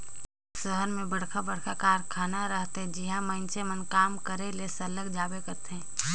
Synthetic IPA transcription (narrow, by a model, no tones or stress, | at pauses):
səɦəɾmẽbəɽ̤kʰabəɽkʰakaːɾkʰaːnaɾəɦt̪ɦɛ̃d͡ʒiɦãmə̃nt͡ʃemənkaːmkəɾelesələɡd͡ʒaːbekət̪ɦɛ̃ː